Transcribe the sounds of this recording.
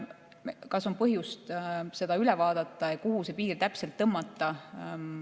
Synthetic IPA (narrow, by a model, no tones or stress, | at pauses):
kɑsompɤɦjust̪se̞d̪̥ɑylɛvɑːd̪̥ɑt̪ːˑɑekuɦuse̞piːrt̪æpse̞lt̪ːɤmːɑt̪ːˑɑ